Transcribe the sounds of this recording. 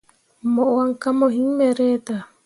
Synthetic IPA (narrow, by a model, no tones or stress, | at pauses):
moʔoaŋkamoɦiŋmeɾet̪a